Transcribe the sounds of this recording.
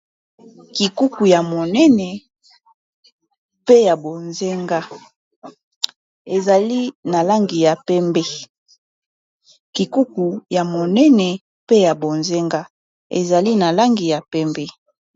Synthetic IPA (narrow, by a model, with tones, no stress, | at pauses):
ki˨ku˦ku˨ja˨mo˨nɛ˦nɛ˨ | pe˦ja˨bo˨nze˦ŋɡa˦ | e˨za˨li˦na˨la˦ŋɡi˨ja˨pɛ˦mbɛ˦ | ki˨ku˦ku˨ja˨mo˨nɛ˦nɛ˨ | pe˦ja˨bo˨nze˦ŋɡa˦ | ḛ˨za˨li˦na˨la˦ŋɡi˨ja˨pɛ˦mbɛ˦